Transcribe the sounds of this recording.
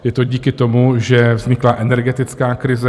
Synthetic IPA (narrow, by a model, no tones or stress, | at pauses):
jɛt̪o̞ɟiːkɪt̪o̞muʒɛvzɲɪklaʔɛnɛɾɡɛt̪ɪt͡skaːkɾɪzɛ